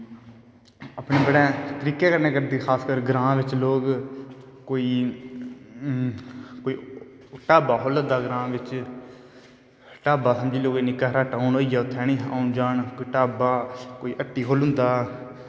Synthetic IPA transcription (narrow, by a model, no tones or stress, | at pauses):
əpɳeːbəɽeːt̪əɾiːkeːkəɾneːkəɾd̪eːxʰaːskəɾɡɾãːʋɪt͡ʃloːk | koːiː | koːiː | ʈaːbaːɦoːləd̪aːɡɾãːʋɪt͡ʃ | ʈaːbaːsəmd͡ʒiːloːkiːnɪkːəɦɾaːʈaːʊnɦoːiːjaːʊt̪ʰːɛːɽ̃ĩːaːʊnd͡ʒaːɳkːʈaːbaːkoːiːʔəʈːiːkʰoːlɦʊ̃nd̪aː